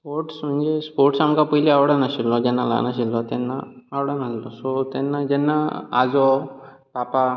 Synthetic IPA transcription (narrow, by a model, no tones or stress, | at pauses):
poɾʈsm̤əɳd͡zespoɾʈsamkapəjliaʋɽanaɕilːɔd͡ʑɛnːala̰naɕ̬ilːɔt̪enːaː | wɽənəslɔsɔt̪enːad͡ʑenːa̰a̰d͡zɔ | papa